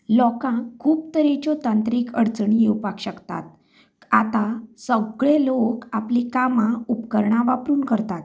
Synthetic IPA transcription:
lɔkãkʰːuːpt̪əɾit͡ɕɔt̪ãnt̪ɾiːkəɽt͡sɳijewpakɕəkt̪a̰t̪ | at̪ãsəɡɭelokaplikamãupkəɾɳãʋapɾuːnkəɾt̪at̪

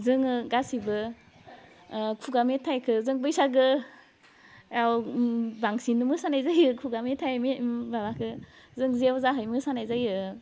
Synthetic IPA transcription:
zɯŋɯɡasibɯ | kʰuɡametʰːajkʰɯzɯŋbɯjsaɡɯ | awbaŋsinːumɯsanajzajɯkʰuɡametʰajmebabakʰɯ | zɯŋzewzaɦɯjmɯsanajzajɯ

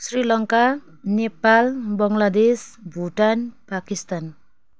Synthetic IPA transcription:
sɾilʌŋka | nepalbʌŋlad̪esbʱuʈanpakist̪an

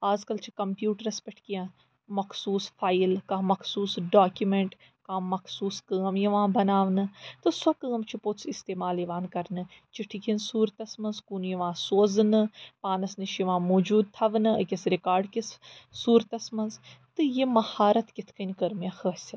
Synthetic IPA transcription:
aːzkɐlt͡ʃʰikɐmpjuːʈɐɾɐspʲeʈʰkijãː | mɐkʰsuːsfaːjlkɐmɐkʰsuːsɖaːkjumeɳʈ | kãːmːɐkʰsuːskəːmjɐʋãːbɐnaːʋnɨt̪ɨsɐkəːmt͡ʃʰiposʰist̪eːmaːljiʋaːnkɐɾnɨt͡ʃiʈʰikʰinsuːɾt̪ɐsmɐnzkunjɐʋãːsoːzɨnɨpaːnɐsnɨʃjɐʋãːmoːd͡ʒuːd̪̚t̪ʰɐʋnɨɐkʲɐsɾikaːɾɖkissuːɾt̪ɐsmɐnzt̪ɨjemɐhaːɾɐt̪kit̪ʰkɐnʲkɐɾmjaxəːsʲɐ

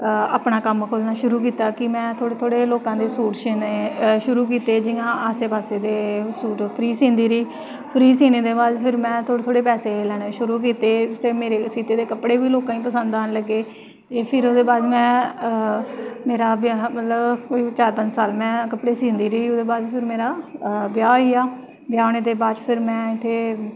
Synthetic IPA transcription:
aːpnaːkəmkʰoːlnaːʃʊɾuːkiːt̪aːkɪmɛ̃ːt̪ʰoːɽt̪ʰoːɽeːloːkãːd̪eːsuːʈʃiːneʃʊɾuːk̬iːt̪eːd͡ʒɪjãːaːseːpaːseːd̪eːsuːʈpʰɾiːsĩːnd̪iːɾiː | pʰɾiːsiːneːd̪eːbaːzpʰɪɾmɛ̃ːt̪ʰoːɽt̪ʰoːɽeːpɛːseːlɛːɽ̃eːʃʊɾuːkiːt̪eːt̪eːmeːɾeːsiːt̪eːd̪eːkəpɽeːʋiːloːkãːĩːpəsə̃nd̪aːnləɡːeː | eːpʰɪɾod̪eːbaːd̪mɛ̃ː | meːɾaːbjaːmət̪ləbkoːit͡ʃaːɾpə̃ɲd͡ʒsaːlmɛ̃ːkəpɽeːsĩːnd̪iːɾiːod̪eːbaːd͡ʒpʰɪɾmeːɾaːbɪjaːiːaː | bjaːñeːd̪eːbaːd͡ʒpʰɪɾmɛ̃ːɪt̪ʰːeː

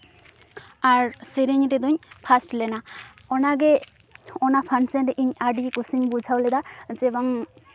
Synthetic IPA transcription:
aɾsiɾiɲɾɛd̪uɲpʰasʈlɛna | ɔnaɡɛ | ɔnapʰansenɾɛʔiɲaɖikusimbud͡ʒʱawlɛd̪ad͡ʒɛbaŋ

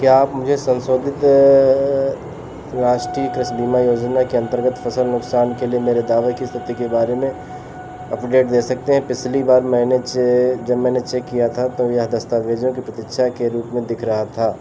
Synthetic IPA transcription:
kjaːpmʊd͡ʒʱesɐ̃nsoːd̪ʱɪt̪ | ɾaːʃʈɾiːkɾɪʃbiːmajoːd͡ʒnakiɐ̃nt̪əɾɡət̪fʰɐsəlnʊksaːnkeliemeːɾed̪aːʋekist̪ʰɪt̪ikebaːɾemẽ | ɐpɖeːʈd̪eːsɐk̚t̪eɦɛ̃pɪt͡ʃʰlibaːɾmɛ̃ːnet͡ʃd͡ʒɐbmɛ̃ːnet͡ʃekːijat̪ʰat̪ojeɦd̪ɐst̪aːʋeːd͡ʒõkipɾɐt̪ɪkʃʰakeɾuːpmẽd̪ɪkʰɾɐɦat̪ʰaː

